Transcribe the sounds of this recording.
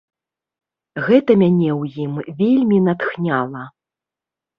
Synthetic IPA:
ɣɛt̪ɐmʲanʲɛwjimvʲelʲmʲinat̪xnʲalˠɐ

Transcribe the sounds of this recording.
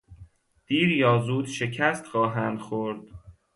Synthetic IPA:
d̪̥iːɾjɒːzuːd̪ʃe̞cʰæst̪xɒːɦænd̪̥xoɾd̪̥

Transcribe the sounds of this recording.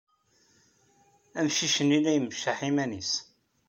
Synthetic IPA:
æmʃiʃənːilæjməʃaħimænis

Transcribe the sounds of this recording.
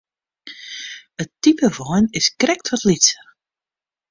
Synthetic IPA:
ətipəvɔjnɪskrɛk̚tʰʋɔtlitə

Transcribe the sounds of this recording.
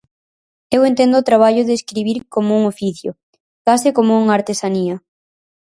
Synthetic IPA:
ewent̪end̪ʊːt̪ɾaβ̞aʎʊðeːskɾiβiɾkomouŋofiθjo̰ | kasɪkomouŋaɾt̪esaniɐ

